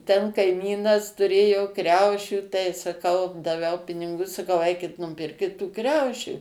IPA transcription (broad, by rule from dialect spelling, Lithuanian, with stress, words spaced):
tʲɛn kɐɪˈmʲiːnɐs tʊˈrʲeːjoː ˈkrʲɛʊʃʲuː tɐɪ sɐˈkɐʊ dɐˈʋʲɛʊ pʲɪnʲɪˈɡʊ sɐˈkɐʊ ˈɛɪkʲɪt nʊˈpʲɪrʲkʲɪt tuː ˈkrʲɛʊʃʲuː